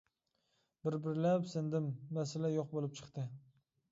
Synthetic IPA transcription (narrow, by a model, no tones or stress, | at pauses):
bɪɾbɪɾlapsɪnd̪ɪmːasɪlajoq̚bolˠɪp̚t͡ʃʰɨ̥qt̪ɪ